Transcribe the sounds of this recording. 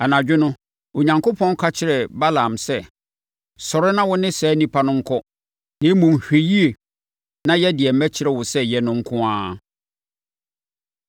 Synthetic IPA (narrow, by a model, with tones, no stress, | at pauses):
a˨nã˨d͡ʑᶣɪ˦nʊ̃˦ | o˨ɲã˨ŋkʰo˦pʰɔ̃˦n˦kʰa˦t͡ɕʰɪ˦ɾɛ˨ba˦la˨msɛ˦˨ | sɔ˨ɾɪ˦nã˦wʊ˦nɪ̃˦sɛː˨˦nĩ˦pʰa˦nʊ̃˦ŋ̩˦kʰɔ˦ | nɪ̃˦mũ˨m˨hᶣe˨ji˦e˨ | nã˦jɛ˦dɪ˨ɛ˨m̩˦mæ˦t͡ɕʰɪ˨˦ɾɛ˨wʊ˨sɛ˦jɛ˦nʊ̃˦ŋ̩˦kʰʊ̃˦ãː˦